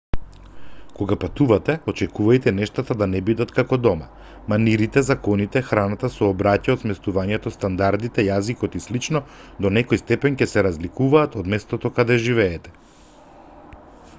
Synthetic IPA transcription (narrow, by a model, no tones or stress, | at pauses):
koɡapat̪uvat̪ɛot͡ʃɛkuvajt̪ɛnɛʃt̪at̪ad̪anɛbid̪at̪kakɔd̪ɔma | maniɾit̪ɛzakɔnit̪ɛxɾanat̪asɔːbɾacaot̪smɛst̪uvaɲɛt̪ɔst̪and̪aɾd̪it̪ɛjazikɔt̪islit͡ʃnɔd̪onɛkɔjst̪ɛpɛncɛsɛɾazlikuvaːt̪od̪mɛst̪ɔt̪ɔkad̪ɛʒivɛːt̪ɛ̥